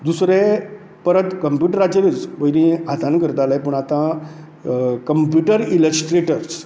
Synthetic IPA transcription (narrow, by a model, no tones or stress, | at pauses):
d̪usɾe | pəɾət̪kəmpjuʈəɾat͡ɕeɾət͡sʋəjnĩɦat̪ʰankəɾt̪alajpəɳ̃at̪ã | kəmpjuʈəɾiləsʈɾeʈəɾs